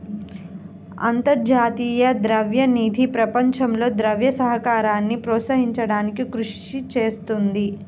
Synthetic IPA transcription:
ɐ̰nt̪ɐɾd͡ʒaːt̪iːjɐd̪ɾɐʋjɐniːd̪ʱipɾɐpɐɲt͡ʃɐmlo̞ːd̪ɾɐʋjɐsɐɦɐkaːɾaːnːipɾɔːt̪sɐɦiɲt͡ʃɐɽaːnikikɾuʂt͡ʃit͡ʃeːst̪und̪i

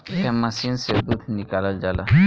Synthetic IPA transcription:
ɛmːɐsinseb̪ut̪ʰnikaːləld͡ʒaːla̰

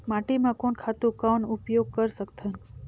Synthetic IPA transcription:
maːʈimãkonkʰat̪ũkaːnʊpjoːɡ̚kəɾsəkt̪ʰən

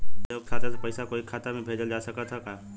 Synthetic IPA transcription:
joːkkʰaːt̪asepɛɪsakoːikʰaːt̪amẽbʱeːd͡ʒəld͡ʒaːsɐkat̪ʰakaː

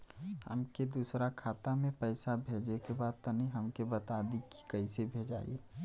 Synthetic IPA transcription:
hə̰mked̪uːsɾakʰaːt̪amẽpəɪsabʱeːd͡ʒekebaːd̪̚t̪ɔniɦəmkebət̪ad̪iki̥kɐisebʱeːd͡ʒaːḭe

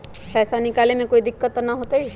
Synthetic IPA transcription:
pɛːsanɪkaːlemẽkoːid̪ɪkːət̪ːnaɦoːt̪aɦi

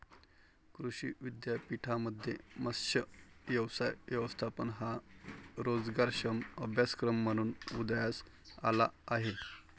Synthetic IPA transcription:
kɾuɕiʋid̪japiʈʰaməd̪ʱjḛməsjəʋjəʋsajʋjəʋəst̪ʰapənɦa | ɾod͡zɡaɾɕəməbʱjaskɾəmːəɽ̃uːnud̪jas | a̰la̰ːɦe

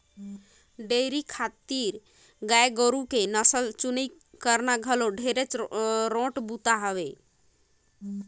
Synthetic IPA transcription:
ɖeɾikʰat̪iɾ | ɡaeɡəɾukenəsəlt͡ʃuni | kəɾnaɡʱəloɖʱeɾət͡ʃɾõʈbut̪aɦəʋe

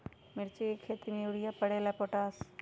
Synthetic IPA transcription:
mɪɾt͡ʃikʰeːt̪imewɽijapəɽeːlapoʈaːs

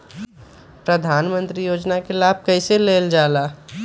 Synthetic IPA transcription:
pɾəd̪ʱaːnmə̃nt̪ɾijoːd͡ʒnakelaːb̚ʱkɐɪseleːld͡ʒaːlaː

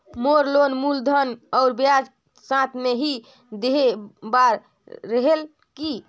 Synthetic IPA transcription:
moɾlonmuld̪ʱənɔʊɾbjad͡ʒ | sãt̪ʰmeɦi | d̪eɦebaɾː | əɦel | ki

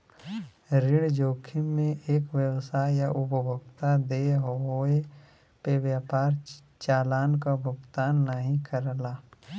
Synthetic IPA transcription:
ɾɪɽd͡ʒoːkʰɪmmẽʔeːkʋjəwsaːjjaʔʊpəbʱʊɡt̪ad̪eɦooe | peʋjaːpaːɾ | t͡ʃaːlaːnkabʱʊɡt̪aːnːaɦĩkəɾlaː

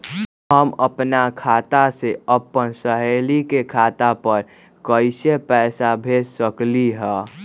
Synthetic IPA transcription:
ɦəməpnakʰaːt̪aseəpənsəɦeːlikekʰaːt̪apəɾ | kəɪsepɛːsabʱeːssəkliɦɛ̃

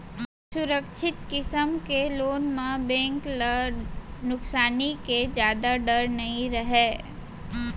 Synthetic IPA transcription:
sʊɾəkʃʰɪt̪kɪsəmkeloːnmẽbɛ̃ːŋklə | nʊksaːniked͡ʒjaːd̪aɖəɾnɐɦĩɾəɦeː

